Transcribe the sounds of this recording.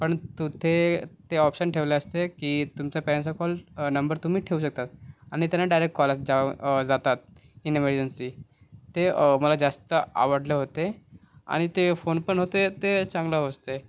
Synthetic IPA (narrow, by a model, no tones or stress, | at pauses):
pəɳt̪ut̪ʰet̪eɔpɕənʈʰeʋleəst̪ekiːt̪umt͡ɕapɛɾensakɔlnəmbəɾt̪um̤iːʈʰeuːɕək̚t̪at̪̚aɽ̃it̪janːaɖajɾek̚ʈ̚kɔlasd͡ʑad͡zat̪at̪̚ | ineməɾd͡ʑənsi | t̪eməlad͡zast̪əa̰ʋəɽleɦot̪ea̰ɽ̃it̪efonpəɳɦot̪et̪et͡sãŋɡləɦəst̪e